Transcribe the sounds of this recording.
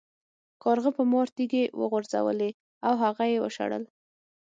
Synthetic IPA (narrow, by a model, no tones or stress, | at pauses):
kɑɾɣəpəmɑɾt̪iɡewə̰ɣʊɾza̰wə̰le | awɦaɣajewə̰ʃa̰ɽə̰l